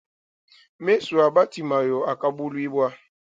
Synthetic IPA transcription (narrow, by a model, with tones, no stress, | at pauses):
me˦su˨a˨ba˦ti˨ma˨jɔ˨a˨ka˦bu˦lwi˦bwa˦